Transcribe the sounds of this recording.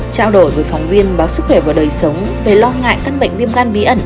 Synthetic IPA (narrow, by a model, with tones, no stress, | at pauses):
t͡ɕaː˧wɗo˧˩jvəː˨˦jfɔ˨˦wŋ͡mvi˧ənɓaː˨˦wsɨ˦˥k̚xwɛ˧˩vaː˨˩wɗəː˨˩jsə˨˦wŋ͡m | ve˨˩lɔ˧ŋa̰ː˧˨jt̪a˧ŋɓə̰˧˨jŋ̟vi˧əmkaː˧nvi˨˦ʔə˧˩n